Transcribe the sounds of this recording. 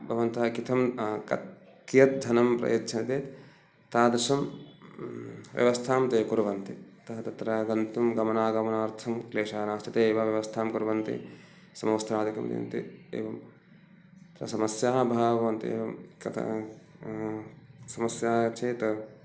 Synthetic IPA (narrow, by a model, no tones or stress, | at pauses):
bʱɐʋɐnt̪ɐɦɐkit̪ʰɐmkɐ̰t̪ | kijɐt̪̚d͡ʒʱɐnɐmpɾɐ̰jɐt̪t͡ʃʰɐnɐt̪eːt̪ | t̪aːd̪ɐʃɐm | ʋjɐ̰ʋɐst̪ʰaːmt̪eːkuɾɐʋɐnt̪it̪ɐɦɐt̪ɐt̪ɾɐɡɐnt̪umɡɐmɐnaːɡɐmɐnaːɾt̪ʰɐmkleːʃaːnaːst͡ʃ̪ʰit̪eːʋɐʋjɐʋɐst̪ʰaːmkuɾʋɐnt̪ḭ | sɐmoːst̪ɾaːd̪ikɐ̰mt̪ḭnt̪ḭḛːʋɐm | t̪ɾɐ̰sɐmɐsjaːbʱabʱɐʋɐnt̪ḛːʋɐmkɐ̰t̪ʰɐ̰ | sɐmɐsjaːt͡ʃeːt̪ɐ